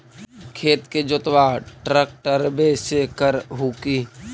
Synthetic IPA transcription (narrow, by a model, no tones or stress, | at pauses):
kʰeːt̪ked͡ʒot̪ʋaʈɾək̚ʈəɾbesekəɾɦuːki